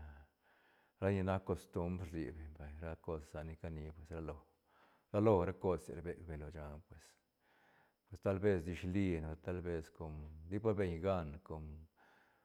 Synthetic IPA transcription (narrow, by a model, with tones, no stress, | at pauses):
ɾa˦ni˧na˦kkːo˧st̪u˦mbɾlḭ˨be˨ɲba˨jɾa˦ko˦ssa˨ni˧ka˦ni˧pwe˨sɾa˦lo˧˨ | ɾa˦lo˧ɾa˦ko˧ssḛ˨ɾbe˦kbe˨lo˨d͡ʒa˧npwe˨s | pwe˨st̪a˦lbe˧sd̪i˧ʃli˧no˨ɾa˧t̪a˦lbe˦sko˧md̪i˦pa˦be˧ɲɡa˦nko˨m